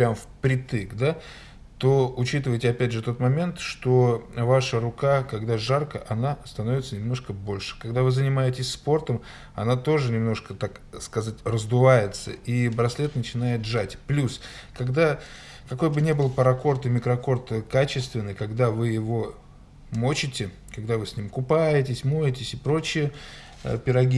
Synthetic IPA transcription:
pɾʲamfpɾʲɪt̪ɨɡd̪a | t̪o̞ʊt͡ɕit̪ɨvəjtʲɪɐpʲædʲʐɨt̪o̞t̪mɐmʲe̞nt̪ʂt̪o̞vaʂəɾʊkakɐɡd̪aʐarkəʔɐnast̪ɐno̞vʲɪt̪sənʲɪmno̞ʂkəbo̞lʲʂɨ̥kɐɡd̪avɨzənʲɪmajɪtʲɪsʲspo̞rt̪əm | ɐ̰nat̪o̞ʐɨnʲɪmno̞ʂkət̪ak | skɐzatʲrəzd̪ʊvajɪt̪səʔibɾɐslʲet̪nət͡ɕɪn̪ajɪt̪ʐatʲplʲus | kɐɡd̪a | kɐko̞jbɨnʲe̞bɨlˠpəɾɐko̞rt̪ɨmʲɪkɾɐko̞rt̪kat͡ɕɪst̪vʲɪnːɨjkɐɡd̪avɨjɪvo̞ | mo̞t͡ɕɪtʲɪ | kɐɡd̪avɨsʲnʲimkʊpajɪtʲɪsʲmojɪtʲɪsʲɪpɾo̞t͡ɕːɪjə | ə̰pʲɪɾɐɡʲi

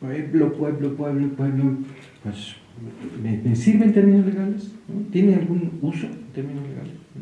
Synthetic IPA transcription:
poxemplopweβlopweβlopweβlo | pwes | memesiɾβe̞nt̪eɾminozleɣalesnot̪jenealɣunusoent̪eɾminozleɣa̰lesno

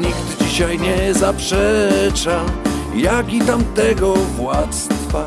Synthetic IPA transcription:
ɲiɡt̪d͡ʑiɕajɲɛzapʂɛt͡ʂa | jakʲit̪amt̪ɛɡɔvwat̪st̪fa

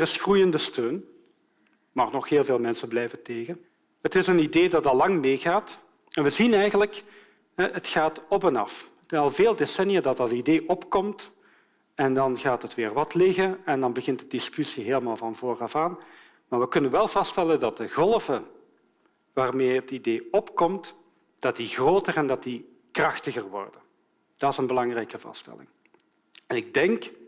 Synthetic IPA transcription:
rɪsxrujəndəstøːn | maːχnɔxɦeːlˠveːlˠmɛnsənblɛjvəteːɣən | ɦətɪsənideːdɑtdɑlɑŋmeːɣaːt | ɛnʋəzinɛjɣənlək | ɦɛətxaːtɔp̬ɛnɑ̰f | tɑlˠveːlˠdesɛnijadɑt̚dɑtideːʔɔpkɔmt | ɛndɑnɣaːtətʋɪːrʋɑtlɪɣənɛndɑnbəɣɪntdədɪskysiɦeːləmaːlˠvɑnvoːrɑfaːn | maːɹʋəkɵnənʋɛlˠvɑstɛləndɑt̚dəɣɔlˠvə | ʋaːrmeːɦətideːɔpkɔmt | d̥ɑt̚diɣroːtərɛndɑtdi | krɑxtəɣərʋɔ̰rdən | d̥ɑtɪzənbəlɑŋrɛjkəvɑ̰stɛ̰lɪ̰ŋ | ɛnɪɡ̚dɛŋk

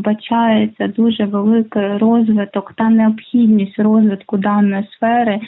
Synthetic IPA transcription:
bɐt͡ʃɑjet͡sʲːɐd̪uʒɛʋelˠɪkɪrɔzʋɪt̪ɔkt̪ɑneɔpxʲidʲnʲisʲtʲrɔzʋɪt̪kʊd̪ɑnɔjisfɛɾɪ

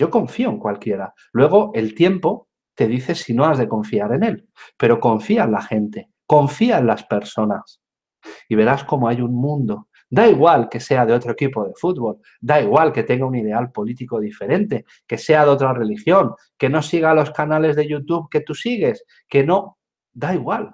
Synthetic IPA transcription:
ɟ͡ʝo̞ko̞ɱfio̞eŋkwalkje̞ɾa | lwe̞ɣ̞o̞ʔe̞lt̪je̞mpo̞ | t̪e̞ðiθe̞sino̞azðe̞ko̞ɱfiaɾe̞ne̞l | pe̞ɾo̞ko̞ɱfiaenlaxe̞nt̪e̞ | ko̞ɱfiaenlaspe̞ɾso̞nas | iβ̞e̞ɾasko̞mo̞ajuŋmũnd̪o̞ | d̪aiɣwalke̞se̞aðeo̞t̪ɾoekipo̞ðe̞fut̪̚βo̞l | d̪aiɣwalke̞t̪e̞ŋɡauniðe̞alpo̞lit̪iko̞ðife̞ɾe̞nt̪e̞ | ke̞se̞aðeot̪ɾare̞lixjo̞ŋ | ke̞no̞siɣalo̞skanale̞zðe̞ʝut̪uβke̞t̪usiɣ̞e̞s | ke̞no̞ | d̪aiɣ̞wal

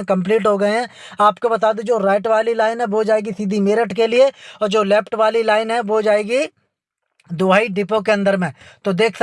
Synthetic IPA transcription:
kɐ̃mpliːʈɦoɡɐeɦɛ̃aːpkobɐt̪aːd̪ed͡ʒoːɾaːɪʈʋaːlilaːɪnɦɛʋod͡ʒaːeːɡisiːd̪ʱimeːɾəʈkelieɔːɾd͡ʒoːlɛːpʈʋaːlilaːɪnɦɛʋod͡ʒaːeːɡi | d̪ʊaːiɖɪpok̬eɐ̃nd̪əɾmẽt̪od̪eːkʰs

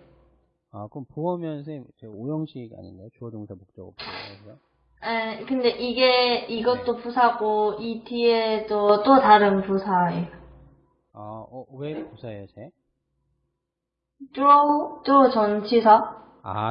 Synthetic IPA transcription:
akɯʌmpuʌmjʌnsʰet͡ɕeojʌŋɕʰiɡia̰ɲḭnd̪ejot͡ɕuʌd͡ʑoŋsʰamok̚t͡ɕ͈ʌ̰ɡɯ̰puʌ | ekɯnde̞ʔiɡe̞iɡʌt͈opusʰaɡoitʰiesʰot͈otaɾɯnpusʰae | aʌwepusʰaejot͡ɕe | tɾout͈ot͡ɕʌnt͡ɕʰisʰa | a̰

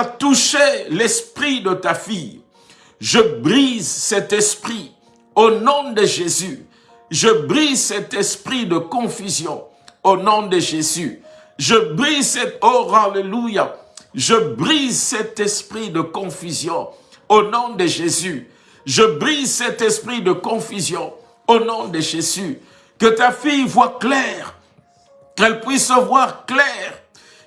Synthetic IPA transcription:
at̪uʃelɛspχid̪ət̪afij | ʒəbʁizsɛt̪ɛspχi | onɔ̃d̪əʒezy | ʒəbʁizsɛt̪ɛspχid̪əkɔ̃fyzjɔ̃ | onɔ̃d̪əʒezy | ʒəbʁizsɛt̪oʁalelujaʒəbʁizsɛt̪ɛspχid̪əkɔ̃fyzjɔ̃ | onɔ̃d̪əʒezy | ʒəbʁizsɛt̪ɛspχid̪əkɔ̃fyzjɔ̃ | onɔ̃d̪əʒezy | kət̪afijvwaklɛʁ | kɛlpɥisːəvwaʁklɛʁ

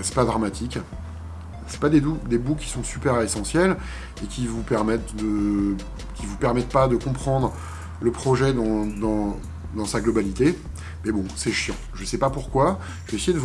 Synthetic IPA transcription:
sɛ̥pad̪ʁamat̪ʰik | sɛ̥pad̪ed̪ud̪ebukʲi̥sɔ̃sypɛʁesɑ̃sjɛl | ekʲivupɛʁmɛt̪d̪ə | kʲivupɛʁmɛt̪̚pad̪əkɔ̃pχɑ̃d̪ʁ | ləpχɔʒɛd̪ɑ̃d̪ɑ̃ | d̪ɑ̃saɡlɔbalit̪e | mɛbɔ̃sɛʃjɑ̃ʒəsɛpapuʁkwa | ʒəvɛesɛjed̪ə

